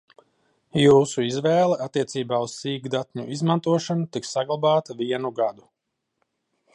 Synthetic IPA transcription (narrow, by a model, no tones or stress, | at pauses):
juːsuizvɛːlˠɛʔat̪ːiɛsiːbaːussiːɡd̪at̪ɲṵʔizmant̪uɔʃanut̪iksaɡlˠabaːt̪aviɛnuɡad̪u